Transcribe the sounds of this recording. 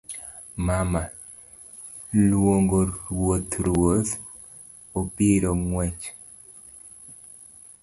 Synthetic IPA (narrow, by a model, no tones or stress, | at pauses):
mama | lwoŋɡoɾwot̪ɾwot̪ | opiɾoŋwɛt͡ʃ